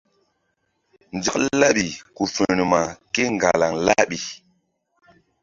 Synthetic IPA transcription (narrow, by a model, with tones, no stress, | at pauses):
nd͡ʒi˦kla˦ɓi˨ku˨fə˨ni˨ma˨ke˦ŋɡa˨la˨ŋla˦ɓi˨